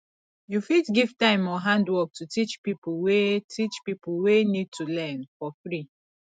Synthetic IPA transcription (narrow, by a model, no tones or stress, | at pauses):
jufitɡiv̥tãɪ̃mɔɦãndwɔk̚tʰutit͡ʃpipuwetʰit͡ʃpipulwenid̚tʰulɛnfɔfɾi